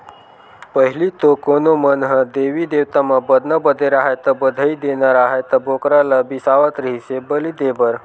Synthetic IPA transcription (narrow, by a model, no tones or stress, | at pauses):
pəɦilit̪okonomənɦəd̪eʋid̪ewt̪amabəd̪nabəd̪ʱəjɾaɦat̪əbəd̪ʱəid̪enaɾaɦejt̪əbokɾalabisaʋat̪ɾəɦisebəlid̪ebəɾ